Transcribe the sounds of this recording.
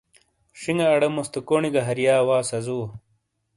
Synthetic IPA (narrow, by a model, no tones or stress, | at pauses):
ʂiŋɡɐːɽɐmost̪ɐkoɳiɡɐɦɐɾjaːwaːsɐzuː